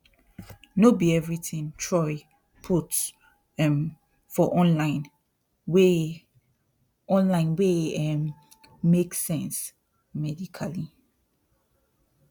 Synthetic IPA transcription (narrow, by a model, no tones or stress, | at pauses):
nobiɛvɹitĩŋtʰɹɔɪ | pʰuts | fɔʔɔ̃nlãɪ̃n | we | ɔ̃nlãɪ̃nweɛm | meksɛ̃ns | mɛdikʰali